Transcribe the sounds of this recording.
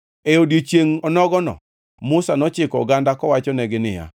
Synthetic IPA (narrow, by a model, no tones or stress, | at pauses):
eodjet͡ʃjeŋɔnɔɡɔnɔ̰ | mʊsanɔt͡ʃɪkɔ̰ɡandakɔwat͡ʃɔnɛɡɪnɪ̰ja̰